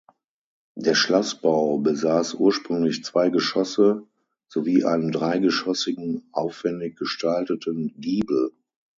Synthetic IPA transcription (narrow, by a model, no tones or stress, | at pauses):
d̥eːɐʃlɔsb̥aʊbəzaːsʔuːɐʃpʁ̥ʏŋlɪçt͡sv̥aɪɡəʃɔsə | z̥oviːʔa̰ɪnəmdʁaɪɡəʃɔsɪɡŋ̩ʔaʊfv̥ɛndɪç̚ɡ̥əʃtʰaltətənɡiːbl̩